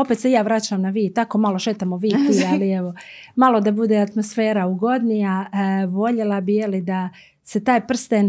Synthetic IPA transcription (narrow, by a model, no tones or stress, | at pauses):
o̞peːt̪sejaːʋɾat͡ɕamnaʋiːt̪akomalo̞ʃeːt̪amoʋiːt̪ialieʋo̞malˠo̞d̪abud̪eat̪mo̞sfeːɾauɡo̞d̪nijaʋo̞ʎe̞lˠabijelid̪a | se̞t̪aːjpr̩st̪en